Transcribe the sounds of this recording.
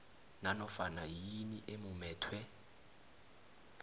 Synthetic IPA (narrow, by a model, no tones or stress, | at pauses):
nanɔfanajiniʔemumɛːtʰwɛ